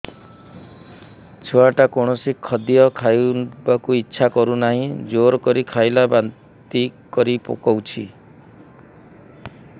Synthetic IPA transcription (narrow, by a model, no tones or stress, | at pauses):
t͡ʃʰoaʈakoɽ̃ɔsikʰɔd̪ijɔkʰajbakuitːʃʰakɔɾunaɦĩd͡ʒoɾkɔɾikʰajlaban | t̪ikɔɾipo̰kɔwt͡ʃʰi